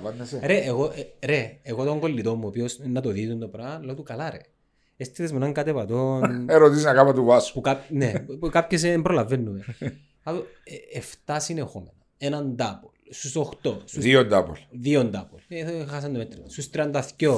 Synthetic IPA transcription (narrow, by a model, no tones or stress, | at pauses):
ɐneseɾeʔːɣoʔɾeːɣot̪oŋɡolːit̪o̞mːuopiosnːɐt̪oðizund̪opɾɐnlɐt̪ukɐlaɾḛ | est̪iðezmunaŋkɐt̪epɐt̪oneɾot̪isinɐkamɐt̪uvɐsu̥pukapnepukapçes̬embɾolɐvenːume | at̪o | eft̪ɐsinexomenɐ | enɐnd̪ɐpolst̪usoxt̪ost̪uðiond̪ɐpo̰lðiond̪ɐpolexas̬ɐnd̪omet̪ːɾisust̪ɾiɐnd̪ɐθco